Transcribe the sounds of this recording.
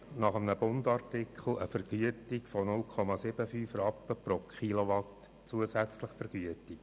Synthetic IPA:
nɑχəmnəbʊndɑrtɪkχl̩ˠəfɛɾɡ̥yətikfɔnʊlkʰɔmɑsɪb̥əfyːfrɑpːəpɾokχilɔʋɑt | t͡suəsæt͡sləχfɛɾɡ̥yətik

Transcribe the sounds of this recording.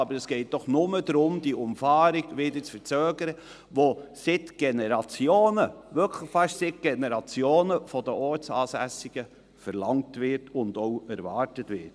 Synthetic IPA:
ɑbəɾɛsɡ̥ɛɪt̚d̥ɔχnʊmədɾʊmd̥iʔʊmfɑːɾiɡʋɪdət͡sfəɾt͡søːɡəɾə | ʋosɪtɡ̥ɛnɛɾɑt͡sjoːnəʋʏkʰlɪχfɑʃsɪt̚ɡ̥ɛnɛɾɑt͡sjoːnəfɔdəʔɔɾt͡sɑːsæsiɡ̥ə | fəɾlɑŋtʋɪɾtʊndoʊɛɾvɑːɾtətʋɪ̰t

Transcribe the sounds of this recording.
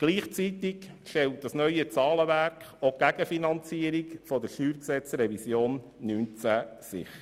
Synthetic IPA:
ɡ̥liːχt͡sit̪ik | ʃtɛlt̚d̥ɑsnœʏət͡sɑːləʋæɾkχoɡ̥æɡəfinɑnt͡siːəɾikfɔd̪əɾʃyːɾksɛt͡sɾɛvisjoːnː | yːnt͡sæːsɪ̰χ

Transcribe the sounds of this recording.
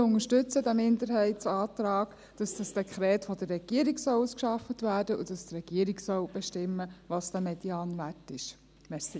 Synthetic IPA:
ʊŋəʃtʏt͡sədæmɪndəɾhɛɪtsɑːtɾɑːɡ | d̥ɑsd̥ɑsd̥ɛkʰχɾɛːtfɔd̥̪ərːɛɡ̥iəɾiɡsɔluskʃɑfətʋæːɾdəʔṵd̥ɑstrɛɡ̥iəɾiɡsɔwb̥ɛʃtɪmːəʋɑsd̥̪æmɛdjɑːnʋætɪʃ | mɛsi

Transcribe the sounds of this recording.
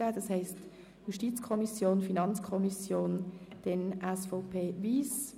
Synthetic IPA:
aːdɑshɛɪst | juʃtit͡skʰɔmisjoːnfinɑnt͡skʰɔmisjoːnd̥ɛnʔɛsfɔʊpʰeːviːs

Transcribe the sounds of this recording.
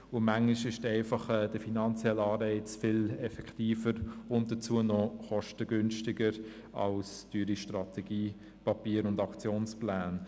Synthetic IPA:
ʊmaŋliʃɪʃtɛɪfɑχɛːd̥əfinɑnt͡sjɛlɑːrɛɪt͡sfɪlɛfɛkχtiːfəɾʊnt̚d̥ət͡suənɔχɔʃtəɡʏnʃtɪɡəɾ | ɑ̰lstyːɾiʃtrɑtʰɛɡ̥iː | pɑpiːəɾʊndɑkt͡sjoːnsplæːn

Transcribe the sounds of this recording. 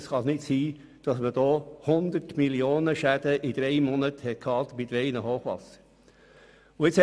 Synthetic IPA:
sχɑsnɪtsiː | d̥ɑsməd̥̪ɔːhʊnd̪ətmiljoːnəʃæd̪̥əʔid̪̥ɾɛɪmɔnəthɛt̚kʰɑːt̪bid̥̪ɾɛɪnəhoːχʋɑ̰sə̥ | ʊɪt͡shɛ

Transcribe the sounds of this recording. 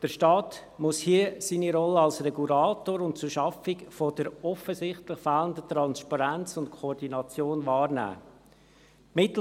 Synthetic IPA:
d̥əɾʃtɑːt | mʊshiəsiːniɾɔlːəɑlsɾɛɡulaːtoːɾʊnt̚t͡sʊɾʃɑfɪkfod̥əɾɔfəsɪχtləχfæːləndət̪ɾɑnspɑɾænt͡sʊntkʰɔːrdinɑt͡sjoːnvɑːɾnæ̰ː | mɪtl̩

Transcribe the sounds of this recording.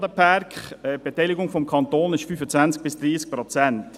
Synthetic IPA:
dəpʰaɾkχɛb̥ɛtɛjlɪɡʊŋfɔmkʰɑnt̪oːnɪʃfyːfət͡sʋænt͡sk̚b̥ɪsd̥ɾiːsk̚pɾot͡sɛnt

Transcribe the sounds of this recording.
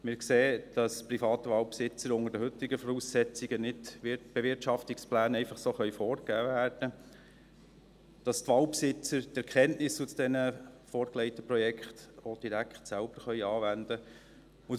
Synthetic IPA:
mɪːɾkseːd̥ɑsprifɑːt̪əʋɑːwpsɪt͡səɾʊŋəɾdəɦɵtɪɡəfɔɾuːsːɛt͡siɡənɪtb̥eʋɪɾtʃɑftiksplæːnɛɪfɑχsoːχœʏfɔːɾɡæːvæːɾd̥ə | d̥ɑstʋɑːwpsɪt͡səɾtɛɾkʰɛntnɪsusd̥ɛnəfoːɾklɛɪtəpɾɔjɛkχtod̥iɾækχtsælb̥əɾχœʏɑːʋænd̥̪ə | ʊ

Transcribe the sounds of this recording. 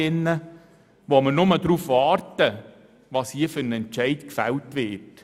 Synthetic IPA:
ɪnːə | ʋoməɾnʊmədɾuːfʋɑːrtə | ʋɑːshiəfʏɾnɛnt͡ʃɛɪtkfɛltʋɪt

